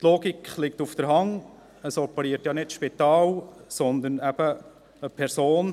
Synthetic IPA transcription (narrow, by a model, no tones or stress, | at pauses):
t̪loːɡikʰχlɪk̚tufd̥əɾɦɑŋ | əsɔpəɾiːətjɑnɪtʃpit̪ɑːlsɔnd̪ənæb̥ə | əpʰɛɾsoːn